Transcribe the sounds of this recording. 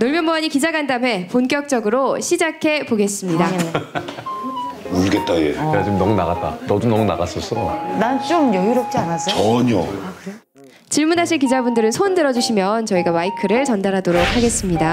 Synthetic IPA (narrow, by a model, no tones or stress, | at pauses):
noɭmjʌmoaɲikid͡ʑaɡandame̞ponk͈jʌk̚t͡ɕ͈ʌɡɯɾoɕʰid͡ʑakʰe̞poɡe̞s͈ɯmɲida | uɭɡet̚t͈ajḛeat͡ɕomnʌmuna̰ɣat̚t͈a̰nʌdunʌmuna̰ɡas͈ʌs͈ʰʌnant͡ɕ͈omjʌɡiɾʌp̚t͡ɕ͈ianas͈ʌʌɲo | t͡ɕiɭmunaɕʰiɭk̬id͡ʑabundɯɾɯnsʰondɯɾʌd͡ʑuɕʰimjʌnt͡ɕʌiɡamaikʰɯɾɯɭt͡ɕʌndaɾɦadoɾok̚ʰaɡe̞s͈ɯmɲida